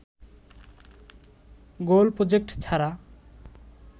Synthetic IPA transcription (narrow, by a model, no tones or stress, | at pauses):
ɡolpɾod͡ʒek̚ʈt͡sʰaɾa